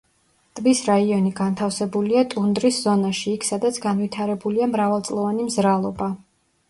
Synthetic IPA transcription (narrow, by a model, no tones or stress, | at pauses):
t̪ʼmisɾaiɔniɡant̪ʰafsɛbuliat̪ʼund̪ɾisz̥ɔnaʃiːkʰsad̪at̪sʰɡanvit̪ʰaɾɛbuliamɾavalˠt̪sʼlˠɔvanimzɾalˠɔba